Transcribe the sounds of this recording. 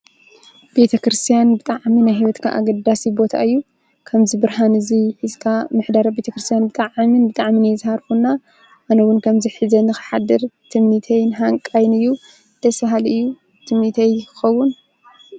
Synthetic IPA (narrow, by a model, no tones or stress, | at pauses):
be̞t̪ʰɐkɾɨst̪ʰijanbɨt̪ʼaʕminajɦiwɐt̪kʰaʔa̰ɡɐd̪asibo̞t̪ʰa̰ɨjːu | kʰɐmzibɨɾhanɨziħɨzkʰamɨħd̪aɾɐbe̞t̪ʰɐkɾɨst̪ʰjanbɨt̪ʼaʕminbɨt̪ʼaʕminjɛzhaɾfunːa | ʔanɐwʊnkʰɐmziħɨzɐnɨxɨ̥ħad̪ɐɾt̪ʰɨmnit̪ʰɐjnɨɦaŋkʼajnɨjːu | d̪̥ɐsɐɦalɨjːu | t̪ʰɨmnit̪ʰɐjkʰɨ̥xɐwːʊn